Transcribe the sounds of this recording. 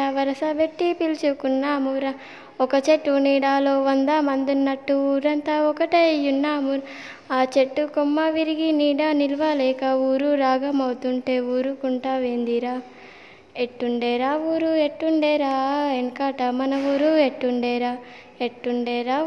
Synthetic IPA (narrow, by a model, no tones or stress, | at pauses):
aʋɐɾɐsɐbeʈːipilt͡ʃukunːaːmuɾɐ | ɔkɐt͡ʃeʈːuniːɽaːlo̞ːʋɐnd̪ɐmɐnd̪unːɐʈːuuːɾɐnt̪aːɔkɐʈeɐjunːaːmu | aːt͡ʃeʈːukomːɐʋiɾiɡiniːɽaːnilʋaːlɛːkɐuːɾuɾaːɡɐmɐwt̪uɳʈe̞ːuːɾukuɳʈaːʋeːnd̪iɾaː | eʈːuɳɖɛːɾaːuːɾueʈːuɳɖɛːɾaːeŋkaːʈɐmɐnɐʋuːɾueʈːuɳɖɛːɾaː | eʈːuɳɖɛːɾaː